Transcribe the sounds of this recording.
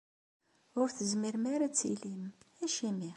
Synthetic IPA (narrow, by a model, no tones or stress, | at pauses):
ʊɾθəzmiɾmaɾæt͡sːḭlimæʃimi